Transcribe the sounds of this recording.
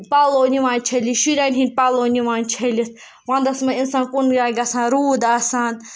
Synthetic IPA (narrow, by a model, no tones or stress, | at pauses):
paloːniʋãːnʲt͡ʃʰeliʃuɾʲanʲɦinʲpaloːniʋaːnʲt͡ʃʰelit̪̚ʰ | ʋãːnd̪ɐsmɐinsãːnkunɡaːɡɐsãːnɾuːd̪asaːn